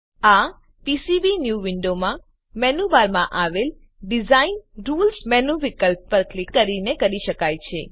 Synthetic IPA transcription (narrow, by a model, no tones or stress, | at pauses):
a | pisibinjuʋɪɳɖomã | mɛnubaɾmãʔaʋel | ɖizainɾulsmɛnuʋikəlp̚ːəɾklɪkːəɾinekəɾiʃəkajt͡ʃʰe